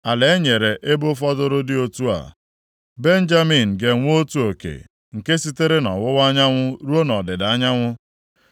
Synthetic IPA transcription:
a˨le˨e˦ɲe˨ɾe˨ʔe˦bʊ˦fɔ˦dʊ˦ɾʊ˦dɪ˦o˦tu˦a̰˨ | be˦n̩˦d͡ʒa˦mi˨n̩˨ɡe˨ŋʷ˦o˦tu˦o˨kḛ˨ | ŋ̩˨ke˦si˦te˦ɾe˦nɔ̰˨wʊ˦ɣa˦ɲa˦ŋʷʊ˦ɾu˦o˦nɔ˨dɪ˨da˦ɲa˦ŋʷʊ˦

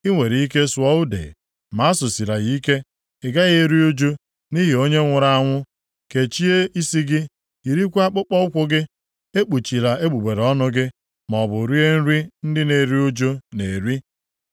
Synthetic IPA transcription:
i˦ŋʷe˨ɾi˨i˦ke˦swɔ˦ʊ˦dḛ˨ | ma˨˦sʊ˨si˨ɾa˨ɣi˦ke˦ | ɪ˨ɡa˦ɣe˦ɾi˦u˦d͡ʒu˦ | ni˦ɦi˨o˦ɲe˦ŋʷʊ˨ɾa˨a˦˨ŋʷʊ˦ | ke˨t͡ʃi˦e˦i˦si˦ɡɪ˦ | i˨ɾi˦kʷu˦a˦k͡pʊ˦k͡pɔ˦ʊ˦kʷʊ˦ɡɪ˦ | e˦k͡pu˨t͡ʃi˨ɾa˨e˦ɡ͡bu˨ɡ͡be˨ɾe˨ɔ˦nʊ˦ɡɪ˦ | mɔ˨bʊ˨ɾi˦e˦n̩˦ɾi˦n̩˦dɪ˦ne˨ɾi˦u˦d͡ʒu˦ne˨ɾi˦

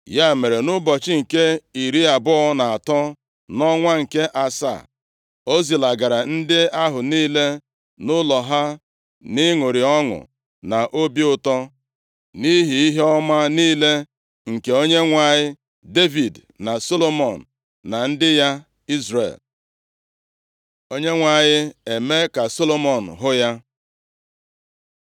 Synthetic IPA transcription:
ja˦˨me˨ɾe˨nʊ˦bɔ˨t͡ʃɪ˦ŋ̩˨ke˦i˨ɾi˦a˨bʊ˦ɔ˦na˨a˨tɔ˦ | nɔ˦ŋʷa˦ŋ̩˨ke˦ʔa˨sa̰˦˨ | o˦zi˨la˨ɡa˨ɾa˨n̩˦dɪ˦a˦ɦʊ˨niː˦le˦ | nʊ˦lɔ˨ɦa˦ | nɪ˦ŋʊ˨ɾi˨ɔ˦ŋʊ̰˨ | na˨ʔo˦bi˦ʊ˨tɔ˦ | ni˦ɦi˨i˦ɦe˦ɔ˦ma˦niː˦le˦ | ŋ̩˨ke˨o˦ɲe˦ŋʷa˦˨ɲɪ˦ | de˦vi˨d | na˨so˦lo˦mɔ˨n̩˨ | na˨n̩˦dɪ˦ja˦ | i˦zɾḛ˨l | o˦ɲe˦ŋʷa˨ɲɪ˦e˨me˦ka˨so˦lo˦mɔ˨n̩˨ɦʊ˦ja˦

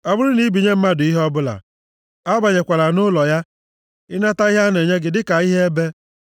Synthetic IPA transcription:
ɔ˨bʊ˦ɾʊ˦ni˨˦bi˨ɲe˦m̩˦ma˦dʊ˨i˦ɦɔ˦bʊ˦la̰˨ | a˦ba˨ɲe˨kʷa˨la˨nʊ˦lɔ˨ja˦ | ɪ˦na˦ta˦i˦ɦa˦ne˨ɲe˦ɡɪ˨dɪ˦ka˨i˦ɦe˦e˦be˦

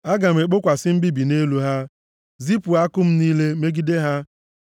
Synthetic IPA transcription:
a˦ɡa˨mʷ˨e˨k͡po˦kʷa˨sɪ˦m̩˦bi˦bi˨ne˦lu˦ɦa˦ | zi˦pu˨a˦kʊ˦m̩˦niː˦le˦me˦ɡi˦de˦ɦa˦

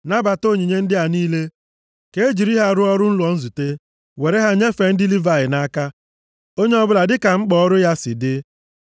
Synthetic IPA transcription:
na˦ba˨to˦˨ɲi˨ɲe˦n̩˦dɪ˦a˨niː˦le˦ | ke˨e˦d͡ʒi˨ɾi˦ɦa˦˨ɾʊ˦ɔ˦ɾʊ˦n̩˦lɔ˨n̩˦zu˨te˦ | we˨ɾe˦ɦa˦ɲe˦fe˨n̩˦di˦li˦va˨ɪ˨na˦ka˦ | o˦ɲe˦ɔ˦bʊ˦la˨dɪ˦ka˨ŋ͡m̩˦k͡pɔ˦ɔ˦ɾʊ˦ja˦sɪ̰˨dɪ˦

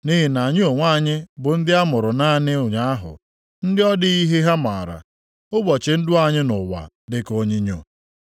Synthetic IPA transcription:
ni˦ɦɪ˨na˨ɲ˦o˨ŋʷa˦˨ɲɪ˦bʊ˨n̩˦dɪ˦a˦mʊ˨ɾʊ˨na˦˨nɪ˦ʊ˨ɲa˦a˦ɦʊ̰˨ | n̩˦dɪ˦ɔ˦dɪ˦i˦ɦe˦ɦa˦ma˨ɾa̰˨ | ʊ˦bɔ˨t͡ʃɪ˨n̩˦dʊ˦a˦ɲɪ˦nʊ˨wa̰˨ | dɪ˦ko˦ɲi˦ɲo˨

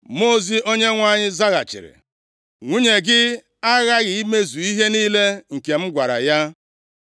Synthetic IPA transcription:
mo˦˨zi˦ʔo˦ɲe˦ŋʷa˦˨ɲɪ˦za˦ɣa̰˨t͡ʃɪ̰˨ɾɪ̰˨ | ŋʷu˦ɲe˨ɡɪ˦ | a˦ɣa˦ɣɪ˨i˦me˦zu˨i˦ɦe˦niː˦le˦ŋ̩˨ke˨m̩˦ɡʷa˨ɾa̰˨ja˦

